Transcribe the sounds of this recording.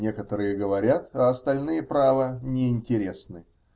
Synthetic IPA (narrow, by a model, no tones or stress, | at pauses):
nʲe̞kət̪əɾɨjəɡəvɐɾʲat̪ɐɐst̪ɐlʲnɨjəpɾavənʲɪɪnʲtʲɪɾʲe̞snɨ